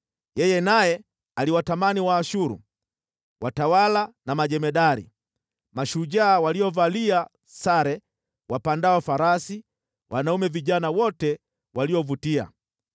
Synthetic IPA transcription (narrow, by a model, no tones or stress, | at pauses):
jɛjɛnajɛ | aliwatamaniwaːʃuɾṵ | watawalanamaʄɛmɛɗaɾḭ | maʃuʄaːwaliɔvalia | saɾɛ | wapandawafaɾasi | wʔanaumɛviʄanawɔtɛ | waliɔvutia̰